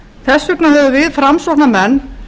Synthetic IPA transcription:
θɛsːʏknahɛvʏvɪðfɾamsɔhnamɛnː

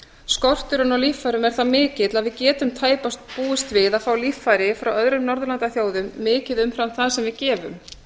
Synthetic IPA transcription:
skɔr̥t̪ʏɾʏnawlifːajɾʏmɛɾ̥θamɪːcɪt̪laðvɪðcɛːt̪ʏmt̪ʰaːjpast̪̚puːɪst̪vɪðaðfawlifːajɾɪfɾawœðɾʏmnɔɾðʏlant̪aθjoːwðʏmːɪːcɪðʏmfɾamθaðsɛmvɪðcɛːvʏm

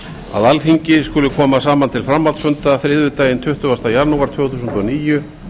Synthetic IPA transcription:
a̰ðalfiɲcɪskʏːlʏkʰɔːmas̬aːmant̪ʰɪlfɾamːalt̪sœnt̪aθɾɪðvʏt̪aːjɪnt̪ʰʏht̪ʏvast̪ajaɾnuːwaɾt̪ʰvʏːwθus̬nt̪ɔniːjʏ

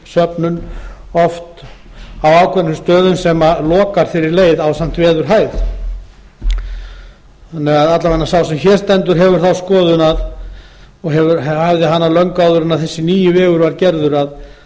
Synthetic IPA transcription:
sœpnʏnɔft̪ | awawkʰvɛnʏst̪œːðʏnsɛmalɔːkaɾ̥fɪɾɪɾleːjðawsam̥t̪vɛːðʏɾ̥ɦaːjð | θanːɛɣaðat̪lavɛnːasawsɛmçɛɾ̥st̪ɛnt̪ʏɾ̥ɦɛvʏɾ̥θawskɔːðʏnað | ɔɣɦɛvʏɾhavðɪɦanːalœŋkawðʏɾʏnaðθɛsːɪniːjʏvɛːɣʏɾvaɾcɛɾðʏɾað

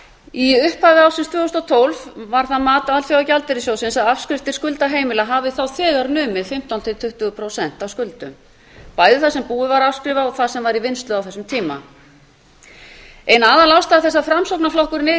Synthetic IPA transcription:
iʏhpavɪawsɪnst̪vɛːhʏst̪ɔt̪ʰowlvvaɾ̥θaðmaːt̪aalfjawawcalt̪ɪɾɪsjoːwsɪnsaðafskɾɪft̪ɪ̥skʏlt̪aɦeːjmɪlaɦaːvɪθawθɛːɣaɾnʏːmɪfɪm̥t̪awnt̪ʰɪt̪ʰʏht̪ʏɣʏpʰɾosɛn̥t̪awskʏlt̪ʏm | paːjðɪθasɛmpuːʏvaɾafskɾɪːvaɔθaðsɛmvaɾivɪnst̪lʏawθɛsʏmt̪ʰiːma̰ | ɛnaːðalawst̪aːθɛsːafɾamsowknaflowhkʏɾnɪː

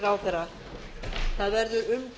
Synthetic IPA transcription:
ɾawθɛɾa | θaðvɛɾðʏɾʏmt

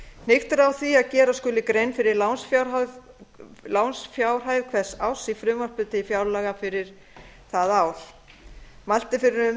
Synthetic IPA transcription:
n̥ɪxt̪ɾawθiaðcɛːɾaskʏlːɪkɾejnfɪɾɪɾlawnsfjawɾað | lawnsfjaːwr̥ɦajðkʰvɛ̥sawsifɾʏːmar̥pʏt̪ɪifjawɾlaɣafɪɾɪɾ̥ | θaðaːwl̥ | mal̥t̪ɪfɪɾɪɾʏ

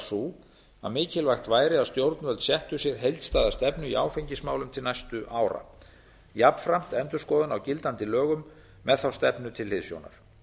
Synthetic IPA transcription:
su | a̰mɪːcɪlvajxt̪vaːjɾɪast̪jowɾt̪nvœlt̪sjɛht̪ʏsjɛɾ̥ɦejlt̪st̪aːðast̪ɛpnʏiaːwfejɲcɪsmaːwlʏmt̪ʰɪlnajst̪ʏʔaːwɾa̰ | japfɾam̥t̪ɛnt̪ʏ̥skɔːðʏnawcɪlt̪ant̪ɪlœːɣʏmː | ɛðθawst̪ɛpnʏt̪ʰɪlhɪðsjo̰wna̰ɾ̥

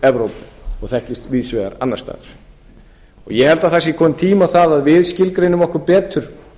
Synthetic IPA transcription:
ɛvɾowpɪ̥ɔɣθɛhcɪst̪viːðsvɛɣa̰ɾa̰nːaɾst̪a̰ːɾ | ɔɣjɛhɛlt̪aðθasjɪkʰɔːmt̪ʰiːmawθaðaðvɪðscɪlkɾɪnːʏvɔhkʏɾpɛːt̪ʏɾ̥

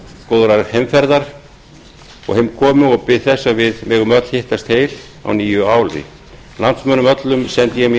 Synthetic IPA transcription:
koːwðɾaɾhɛmfɛɾðaɾ̥ | ɔ̰ɣhɪmkʰɔːmʏɔɣpɪðθɛsːavɪðmɛːɣʏmœt̪l̥hɪht̪ast̪heːjl | a̰wniːjʏaːwlðɪ̰ | lant̪smœːnʏmœt̪lʏmsɛnt̪jɛɣm

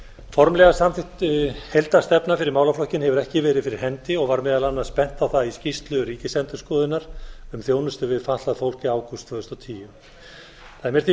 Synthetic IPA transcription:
fɔɾmlɛɣasamθɪt̪hejlt̪ast̪ɛpnafɪɾɪɾmaːwlaflɔhcɪnhɛvʏɾɛhcɪvɛːɾɪðfɪɾɪɾ̥hɛnt̪ɪɔɣvaɾmɛːðalanːaðspɛn̥t̪aθaðiscist̪lʏɾiːcɪsɛnt̪ʏ̥ɾskɔːðɪnaɾ̥ʏmθjoːwnʏst̪ʏvɪðfaht̪laðfowl̥cɪaːwkɔst̪ʰvœːɣðʏst̪ɔwt̪ʰiːjʏ | θaðɛmɛɾ̥θi

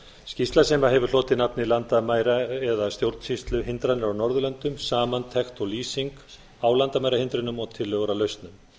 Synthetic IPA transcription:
scist̪lasɛmaɦɛvʏɾ̥l̥oːt̪ɪnapnɪilant̪amaːjɾaɛðast̪jowɾt̪n̥sist̪lʏɦɪnt̪ɾanɪɾawnɔɾðʏlœnt̪ʏmsaːmant̪ʰɛxt̪ɔliːsiŋk | aːwlant̪amaːjɾahɪnt̪ɾʏnʏmɔɣt̪ʰɪlːœɣɾalœɥst̪nʏm

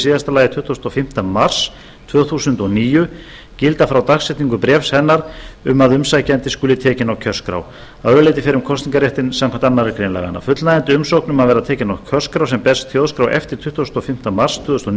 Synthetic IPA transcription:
siːðast̪alaːjɪt̪ʰʏht̪usnt̪ɔfɪm̥t̪amar̥s | t̪ʰvœːθuːsʏnt̪ɔniːjʏ | cɪlt̪afɾawt̪axsɛht̪niŋkʏpɾɛːfshɛnːaɾ̥ʏmːaðʏmsajcaɛnt̪ɪskʏːlɪt̪ʰɛːcɪnawcʰœr̥skɾa̰w | aðɾʏlejt̪ɪfɛːɾʏmkʰɔst̪niŋkaɾjɛht̪ɪnsamkʰant̪anːaɾɛkɾejnla̰jɣa̰na̰fʏt̪lnajɛnt̪ʏʏmsowknʏmaðvɛːɾat̪ʰɛːcɪnawcʰœr̥skɾawsɛmpɛst̪θjoːðskɾawʔɛ̰ft̪ɪɾ̥t̪ʰʏht̪ʰusʏnɔfɪm̥t̪amar̥st̪ʰvœːðʏst̪ɔn

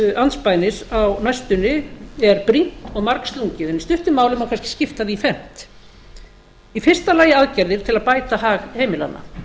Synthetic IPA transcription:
anspaːjnɪsawnajst̪ʏnɪɛɾpɾin̥t̪ɔɣmaɾkst̪luɲcɪðɛnist̪ʏht̪ʏmːaːwlʏmawkʰanscɪ̥scɪft̪aðifɛn̥t̪ | ifɪr̥st̪alaːjɪaðcaɾðɪɾ̥t̪ʰɪlaðpaːjt̪aɦaːɣheːjmɪla̰nːa̰

